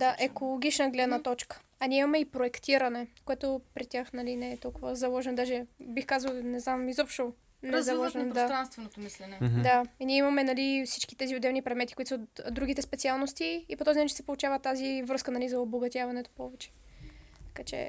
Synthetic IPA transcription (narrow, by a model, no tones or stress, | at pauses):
d̪aʔɛkolˠoɡ̟ʲit͡ʃnəɡlɛd̪nət̪ɔt͡ʃkə̥ | ɐnʲiɛimɐmɛipɾoɛkt̪iɾɐnɛkoɛt̪opɾit̪ʲjaxnɐlinɛɛt̪ɔlˠkovəzɐlˠɔʒɛnod̪aʒɛbixkazəlˠnɛznamizɔpʃt̪o | nɛzɐlˠɔʒɛnnd̪at̪ɾanst̪vɛnot̪omislɛnɛd̪ainiɛimɐmɛnɐlifsi̥t͡ʃki̥t̪ɛziod̪ɛvnipɾɛd̪mɛt̪i̥koʊit̪sod̪d̪ːɾuɡ̟it̪ɛspɛt̪sialˠnost̪iːpot̪ɔzinat͡ʃɛsɛpolˠut͡ʃavət̪azivɾɤskənɐlizɐoboɡɐt̪ʲjavɐnɛt̪o̥pɔvɛt͡ʃɛ̥ | t̪ɐ̥kat͡ʃɛ̰